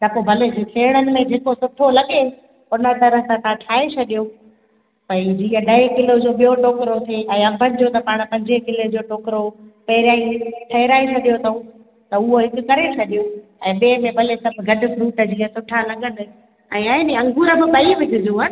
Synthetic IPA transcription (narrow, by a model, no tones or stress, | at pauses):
t̪ɐpobʱɐled͡ʑitʰeːɪɽ̃ənɪ̆mẽd͡ʑʱeːkosʊʈʰolɐɠe | ʊnə̆t̪ɐɾəɦəsãt̪ʰãʈʰaːet͡ɕʰɐɗijo | pɐid͡ʑiːɦəɗɐekɪlod͡ʑoːɓijoʈoːkɪɾot̪ʰeɛ̃ːɐbʱənɪ̆d͡ʑoːt̪ɐpaːɽ̃̆pɐ̃ɲd͡ʑekɪled͡ʑoːʈoːkɪɾopɐɦɪɾjaːĩʈʰɐɦɪɾaːet͡ɕʰɐɗijot̪ʰɐũ | t̪ɐʊɦoɦɪkʊkɐɾet͡ɕʰɐɗijoɛ̃ːɓeːmẽbʱɐlesɐbʱɡʱɐɖʊ̆fʰɾuːʈəd͡ʑiːɦəsʊʈʰalɐɠənɪ̆ | ɛ̃ːaːniɐ̃ŋɡʱuːɾəbɪpɐiʋɪt̪ɪd͡ʑũːɦənɪ̆